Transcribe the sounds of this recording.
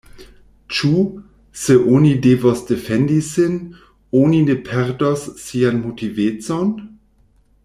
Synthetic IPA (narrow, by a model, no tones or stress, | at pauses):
t͡ʃu | seʔonideːvosd̥efɛndisɪn | oninepʰɛʁdosːianmotiveːt͡son